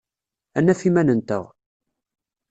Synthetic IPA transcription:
ænːæfimænənt̪ə̰ʁ

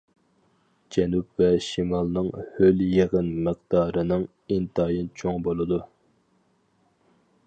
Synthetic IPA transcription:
d͡ʒɛnup̚vɛʃimɑlˠnɨŋhøljeʁənmɨqd̪ɑːɾɨnɨŋ | int̪ʰɑːjint͡ʃʰoŋbolˠɨd̪u

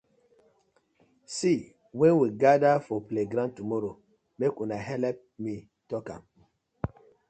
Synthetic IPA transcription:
si | wɛ̃nwiɡadafɔpleɡɾãntumɔɾo | mekũnaɦɛlɛp̚mi | tɔkã̰m

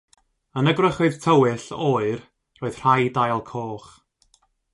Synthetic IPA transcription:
ənəɡrəχɨð̥tʰəwɪɬoːɨr | roːɨð̥r̥ajdajlˠkʰoːχ

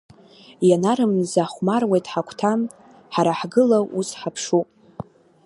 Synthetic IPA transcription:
janaɾɨmzaχʷmarwejtʼħakʷʰtʰam | ħaɾaħɡɨlaʔusħapʰʂupʼ

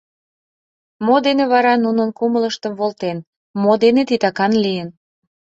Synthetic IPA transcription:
mod̪eneβɑɾɑnunənkumələʃt̪əmβolt̪en | mod̪enet̪it̪ɑkɑnlijən

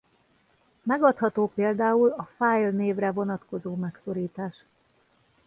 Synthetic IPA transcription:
mɛɡɒt̪hɒt̪oːpeːld̪aːulɒfaːjlneːvrɛvo̞nɒt̪ko̞zoːmɛkso̞ɾiːt̪aːʃ

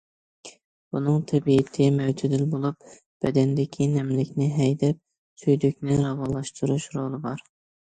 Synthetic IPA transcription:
b̥unɨŋt̪ʰɛbiɪt̪ʰɪmɛwd͡ʒyd̪ɪlbolˠup | b̥ɛd̪ɛnd̪ɪkʲʰinɛmlɪkʲnɪɦɛjd̪ɛp̚ | sʰyjd̪ykʲnɪɾɑwɑlˠɑʃt̪ʰuɾuʃɾolˠɨbɑɾ

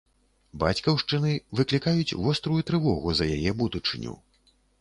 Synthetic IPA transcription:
ba̰t͡sʲkɐwʂt͡ʂɨnɨvɨklʲikajut͡sʲvɔst̪ɾujut̪ɾɨvɔɣuzɐjajɛbud̪ut͡ʂɨ̰nʲṵ

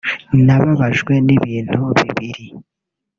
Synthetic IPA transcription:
naβaβaʒɡwe̞niβiːn̥huβiβiɾi

